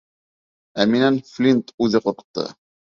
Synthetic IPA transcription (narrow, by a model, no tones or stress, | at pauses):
æminænflʲint̪ʉðɘqŏɾqɤ̥̆t̪ːɤ̰